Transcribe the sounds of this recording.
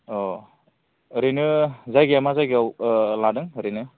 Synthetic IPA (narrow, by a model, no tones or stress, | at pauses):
ɔ | ɾinɯzajɡiamazajɡiawladɯŋɾinɯ